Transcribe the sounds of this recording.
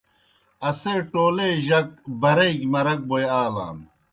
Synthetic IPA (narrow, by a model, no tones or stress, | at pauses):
ɐseːʈoːleʑɐk̚bɐɾɐikmɐɾɐk̚bojaːla̰ːm